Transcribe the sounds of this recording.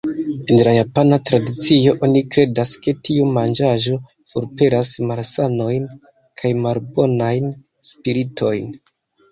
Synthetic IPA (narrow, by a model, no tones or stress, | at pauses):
e̞nlajapanatɾadit͡sio̞ʔonikɾe̞daske̞tiumand͡ʒaʒo̞ | fuɾpe̞ɾasmaɾsano̞jn | kʰajmalbo̞najn | spiɾitʰo̞jn